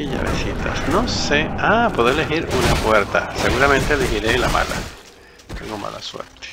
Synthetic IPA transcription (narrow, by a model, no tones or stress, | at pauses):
iʎa̰βesit̪ʰasnoseapoðeleɦiɾunapweɾt̪aseɣuɾamẽnt̪eːlexiɾelama̰la̰ | t̪eŋɡoma̰laswḛɾt̪e̥